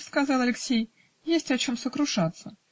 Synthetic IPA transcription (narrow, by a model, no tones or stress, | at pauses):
skɐzɑlˠɐlʲɪksʲej | jesʲtʲɐt͡ɕomsəkɾʊʂat̪sə